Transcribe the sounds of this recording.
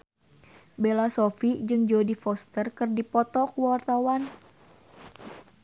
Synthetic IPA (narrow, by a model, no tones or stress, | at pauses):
belasɔfid͡ʒɨŋd͡ʒodifɔst̪ərkɨrdipɔt̪ɔkuwart̪awan